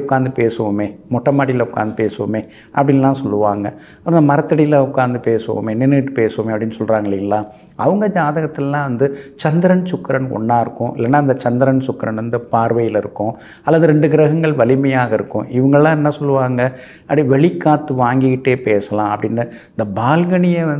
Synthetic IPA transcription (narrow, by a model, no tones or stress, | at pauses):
ʊkːaːnd̪ɯpeːsɯʋɐmeːmɔʈːɐmaːɽɪjɪlɐʊkːa̰ːnd̪ɯpeːsɯʋɐ̰meː | ʔɐ̰pːɐɽɪnlːãːsɔlːɯʋaːŋɡɐ | ɐpːnd̪ɐmɐɾɐt̪ːɐɽɪjɪlɐʊkːaːnd̪ɯpeːsɯʋo̰ːmeːnɪnːɐʈːɯ̥peːsʋɐmeːɐpɐɽɪnːɯsɔlɾaːŋɡɐɭɪŋɡɐlãː | ɐʋɐŋɡɐd͡ʒaːðɐɣɐt̪ːɪlɐlãːʋɐnd̪ɯt͡ʃɐnd̪ɪɾɐnt͡ʃʊkːɾɐnɔ̰ɳːaːɪɾɯkːʊ̃ʔɪ̰lːɐːnːaːɪnd̪ɐt͡ʃɐnd̪ɪɾɐɳt͡ʃʊkːɐɾɐnʋɐnd̪ɯpaːɾʋɐjɪlɪɾɯkːʊ̃ | ɐlːɐðɯɾɛɳɖɯɡɪɾɐɣɐŋɡɐɭʋɐlɪmɐjaːɣɐɪɾɯkːʊ̰̃ʔɪʋɐŋɡɐɭlãːɛnːɐsɔlːɯʋaːŋɡɐ | ɐpːɐɽĩʋɛɭɪkːaːt̪ːɯʋaːŋɡɪɣɪʈːeːpeːsɐlãːɐpːɐɽɪnːɯɪnd̪ɐbaːlɣɐɳɪjeɐ